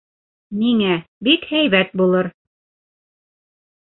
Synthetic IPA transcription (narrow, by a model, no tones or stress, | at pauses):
niŋæbikhæjβæt̪̚bulˠɤɾ